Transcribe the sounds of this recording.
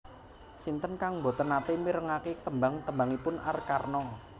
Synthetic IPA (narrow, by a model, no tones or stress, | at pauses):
sint̪ənkaŋmbo̤t̪ənat̪emiɾəŋaket̪əmbaŋt̪əmbaŋipʊnʔa̰rkarnɔ